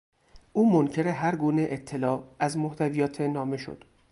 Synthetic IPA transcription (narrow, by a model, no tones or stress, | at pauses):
ʔuːmoncʰe̞ɾeɦæɾɡuːne̞ʔet̪ʰːe̞lɒːæzmoht̪ʰævijɒːt̪ʰenɒːme̞ʃo̰d̪̥